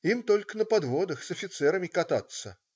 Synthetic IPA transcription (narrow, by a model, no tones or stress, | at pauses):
imt̪olʲkənəpad̪vod̪əxsɐfʲɪt̪sɛɾəmʲɪkat̪a̰t̪sːə